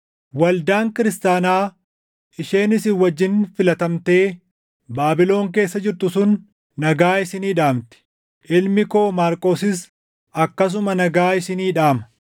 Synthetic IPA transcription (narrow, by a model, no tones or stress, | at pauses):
wɐld̪aːŋkɪɾɪst̪aːnaː | ʔɪʃe̞ːnɪsɪwɐd͡ʒːɪnfɪlɐt̪ɐmt̪e̞ː | baːbɪlo̞ːŋk̬e̞ːsːɐd͡ʒɪɾt̪ʊsʊn | nɐɡaːɪsɪniːᶑaːmt̪ɪ̥ | ʔɪlmɪko̞ːmaːɾkʼo̞ːsɪs | ɐkːɐs̬ʊmɐnɐɡaːɪsɪniːᶑaːmɐ̥